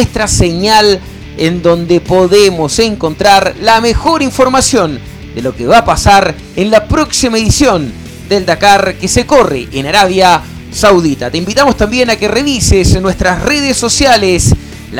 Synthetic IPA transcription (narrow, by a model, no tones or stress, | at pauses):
est̪ɾaseɲal | end̪o̞nd̪epo̞ðemo̞se̞ŋko̞nt̪ɾaɾlamexo̞ɾiɱfoɾmasjo̞n | d̪elo̞keβapasaɾ | enlapɾo̞ksimaeðisjo̞n | d̪eld̪akaɾkesekorḛʔenaɾaβja | sawðit̪at̪e̞imbit̪amo̞st̪ambje̞nakereβisesnːwest̪ɾasreðesːo̞sjales | l